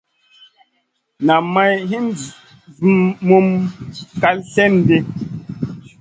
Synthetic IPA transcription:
na˨ma˦jɦi˦n˦d͡zi˨ | vmːo˦mka˦lsɛ˦˨n˨de˦

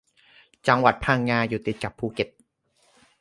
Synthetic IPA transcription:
t͡ɕa˧ŋwa˨˩t̪̚pʰaː˧˩ŋːaː˧juː˨˩t̪i˨˩t̪̚ka˨˩pʰːuː˧˩ke˨˩t̪̚

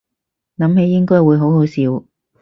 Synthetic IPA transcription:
nɐ˨˥mhe˨˥jːɪ˥ŋkɔː˥jwuː˨˧jɦo˨˧˥wɦo˨˥wsiː˨˧˥w

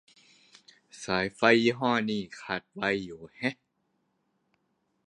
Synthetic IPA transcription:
saː˨˦jfa˧ji˧ɦɔː˥˩niː˧˥˩kʰa˨˩t̪̚wa˧jːuː˨˩hɛ˦˥

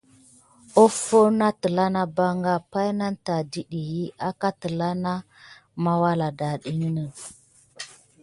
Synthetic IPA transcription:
o˦fo˦na˦tə˨la˦na˦ba˦ŋɡa˦pa˦jna˦nta˨di˨ɗi˨ji˦a˦ka˦tə˨la˦na˦ | ma˦wa˦la˨da˨ɗi˦nə˦nə˨

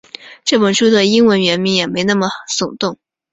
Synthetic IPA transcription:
ʈ͡ʂɤ˥˩pə˨˩nʂu˥d̪ə˨i˥ŋwə˧˥nɥɛ˧˥nmi˧˥ŋjɛ˨˩me˧˥ɪna˥˩mə˩sʊ˨˩ŋt̪ʊ˥˩ŋ

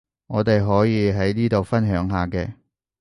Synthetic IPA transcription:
ŋɔː˨˧t̪e˨jɦɔː˨˥jiː˨˧ɦɐ˨˥jniː˥t̪o˨wfɐ˥nɦœː˨˥ŋɦaː˨kɛː˧

